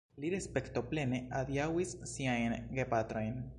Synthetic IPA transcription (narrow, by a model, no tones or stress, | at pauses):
liɾespekt̪o̞ple̞nead̪jawisːiajnɡepat̪ɾojn